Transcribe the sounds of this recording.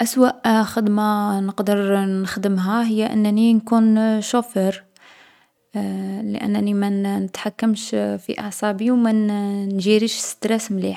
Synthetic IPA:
ʔæswæʔxəd̪manəqd̪əɾnəxd̪əmɦæɦəjːaʔə̰nːninkunʃofəɾ | lə̰ʔə̰nːnimænnət̪ħakːəmʃfḭʔɑ̰ʕsˤɑbiwmænnʒiɾiʃsə̥d̪ɾæsmliħ

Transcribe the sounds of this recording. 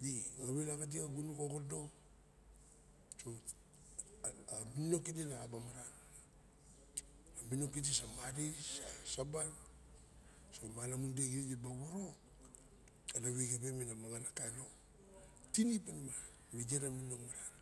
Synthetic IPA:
jiɡaβelaɡat̬iaɡunukoɡodo̞ | so | mino̞kidinaːbamaɾa | amino̞kitisamaɾisasaban | somalamundeɡiɾid͡ʒebaβoɾo | adaβeɡebeminamaɡanakajno̞ | tinipanma | βid͡ʒeɾaminokmaɾa

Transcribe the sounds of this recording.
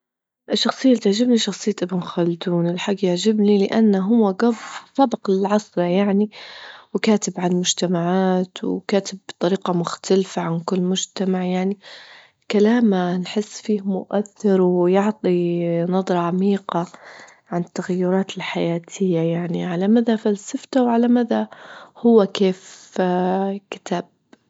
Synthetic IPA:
ʔɪʃːɑxsˤɨjːat̪ɪʕd͡ʒɪbniʃɑxsˤɨjːʔɪbɪnxald̪uːnɪlħaɡːjaʕd͡ʒɪbnilɪʔanːaɦʊwːaɡafsˤɑbɑqɪlʕɑsˤɾɑjaʕniwɪkaːt̪ɪbʕamʊd͡ʒt̪amaʕaːt̪wkaːt̪ɪbːt̪ˤɑɾiːqɑmʊxt̪ʰalfaʕankʊlːmʊd͡ʒt̪amaʕjaʕni | kalaːmanħɪsːfiːhmʊʔaθːɪɾwjʊʕt̪ˤinɑðˤɾˤɑʕamiːqa | ʕanɪt̪ːaɣajːʊɾˤɑːt̪ɪlħajaːt̪ʰɪjːajaʕniʕalamaðafalsaft̪awʕalamaðahʊwːakeːf | kɪ̥t̪ʰaːb̥̚

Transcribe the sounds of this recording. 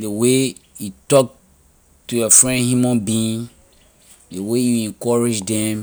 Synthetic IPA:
dewe | jutɔk̚ | tujɔfɹɛ̃nhjumãnbĩĩŋ | dewejuɛ̃ŋkɔɹid͡ʒdɛ̃m

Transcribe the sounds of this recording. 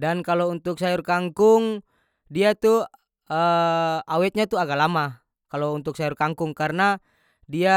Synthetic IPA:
dankalount̪uk̚sajurkaŋkuŋ | diat̪u | əawɛt̪̚ɲat̪uaɡalama | kalount̪uk̚sajurkaŋkuŋkarna | dia

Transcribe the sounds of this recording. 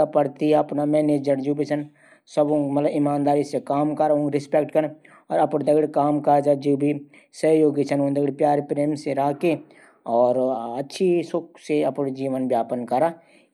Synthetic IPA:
apəɾt̪iɐpnamɛːned͡ʒəɾd͡ʒuːbit͡ʃʰən | səbõmɐt̪ləbɪmãːnd̪aːɾisekaːmkəɾaõɡɾɪspekʈkəɾ | ɔːɾɐpñd̪ɐɡɽekaːmkad͡ʒad͡ʒoːbʱi | səɦjoːɡit͡ʃʰənod̪əɡɽpjaːɾepɾeːmseɾaːke | ɔːɾɐtːʃʰisʊk̚ʰseɐpnd͡ʒiːʋənbjaːpənkɐɾa

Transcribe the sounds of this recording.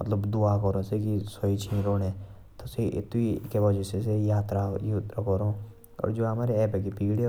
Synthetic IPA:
mə̰t̪ləbd̪ʊakɔɾõsekisɔit͡ʃʰĩɾoːɽeː | t̪oseʔɪ̰t̪ikebɔd͡ʒɛsesejaːt̪ɾajut̪ɾəkɔɾõ | ɔ̰ːɾd͡ʒoːɦɐmaːɾeɛːbek̬epiːɡɽe

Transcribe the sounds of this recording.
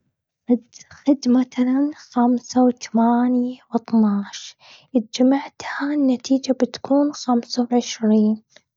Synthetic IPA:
ʔɪd̪xɪd̪mat̪alanxamsawɪt̪ḁmaːnjwɪt̪ˤnaːʃ | ʔɪt̪̚d͡ʒamaʕt̪hanːat̪iːd͡ʒabɪt̪kʰuːnxamsawʕɪʃɾiːn

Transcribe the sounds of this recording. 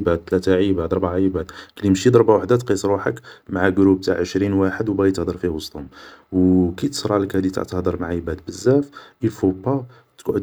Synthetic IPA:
bæd̪̚ːlæt̪aʕibæd̪ɾˤbʕaʕibæd̪klimʃid̪ɾˤbawaħd̪æt̪qisˤɾwaħə̰kmaʕaɡɾub̚t̪a̰ʕʕəʃɾinwaħəd̪wbæjt̪əhd̪əɾˤfiwəst̪ˤhʊmwkit̪ə̥sɾˤɑləkhæd̪it̪a̰ʕt̪əhd̪əɾˤmaʕibæd̪bəzːæfʔifubɑ | t̪kʕəd̪

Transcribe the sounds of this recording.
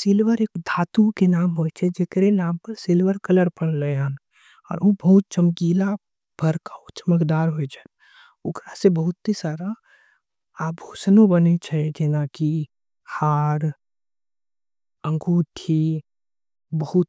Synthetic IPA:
sɪlʋəɾeːkd̪ʱaːt̪ukenaːmɦoɛt͡ʃʰɛd͡ʒekɾenaːmpəɾsɪlʋəɾkələɾpəɽ̃ləɦan | ɔ̰ːɾobəɦʊt̪̚t͡ʃəmkiːla | b̥ʱəɾkaot͡ʃəməkd̪aːɾɦoet͡ʃʰɛ̥ | ʊkɾasebəɦʊt̪ːisaːɾa | aːbʱuːsnõbənet͡ʃʰɛd͡ʒɪnaki | haːɾ | ə̃ŋɡuːʈʰi | bəɦʊt̪̚

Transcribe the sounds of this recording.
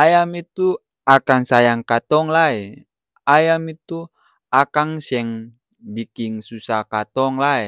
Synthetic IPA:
ajamit̪u | akaŋsajaŋkat̪ɔŋlaɛ | ajamit̪u | akaŋsɛŋ | bikiŋsusakat̪ɔŋlaɛ

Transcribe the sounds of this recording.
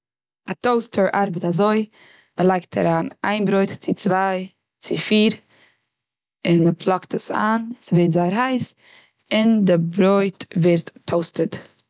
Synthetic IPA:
atoʊstʰəɾʔaɾbətazoɪ | məlˠaɪktʰa̰ɾaːna̰ɪnbɾoɪtt͡sɪt͡svaɪ | t͡sɪfiːɾ | ɪnməpʰlˠɔktəsa̰ːnsɪveɪtzaɪəɾɦaɪs | ɪndɪbɾoɪtvɛɾtːʰoʊstət

